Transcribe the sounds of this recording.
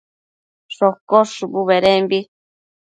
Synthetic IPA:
ʂokoʂubuβeɾembi

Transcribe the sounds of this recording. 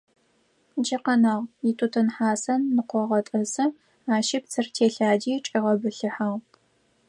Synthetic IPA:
d͡ʒɐqɐnɐʁjɪtʰutʰɨnħaːsɐnːɨqʷɔʁɐtʼɐsɨ | aːʃɪp̚t͡sʰɨrtʰeːɬaːd͡ʒiːʈ͡ʂʼiʁɐbɨɬɨħaʁ

